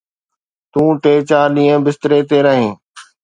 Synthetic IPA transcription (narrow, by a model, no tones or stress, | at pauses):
t̪ũːʈeːt͡ʃaːɾɗĩːə̃bɪst̪ɾeːt̪eːɾəɦẽː